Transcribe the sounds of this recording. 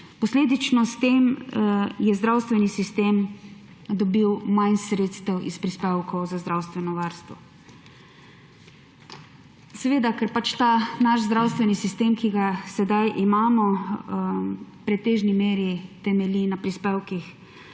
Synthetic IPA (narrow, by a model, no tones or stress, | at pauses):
pɔsleːd̪it͡ʃnɔst̪eːm | jɛzd̪ɾawst̪ʋɛnisist̪eːm | d̪ɔbiwmansɾeːt̪st̪ɛwʔispɾispeːwkɔwzazd̪ɾawst̪ʋɛnɔʋaɾst̪ʋɔ | sɛʋeːd̪akɛɾpat͡ʃt̪aːnaʃzd̪ɾawst̪ʋɛnisist̪eːmkiɡasɛd̪ajʔimaːmɔ | pɾɛt̪eːʒnimeːɾit̪ɛmɛlinapɾispeːwkix